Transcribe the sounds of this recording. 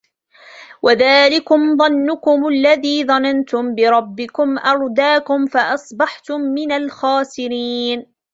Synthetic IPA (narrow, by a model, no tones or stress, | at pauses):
wʔaðaːlɪkʊmðˤɑnːʊkʊmalːaðiːðˤɑnant̪ʊmbɪɾˤɑbːɪkʊmʔɑɾˤd̪aːkʊmfaʔɑsˤbɑħt̪ʊmːɪnalxaːsɪɾiːn